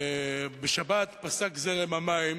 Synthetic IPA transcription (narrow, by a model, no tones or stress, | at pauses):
beʃabat̪pasakzelemamaim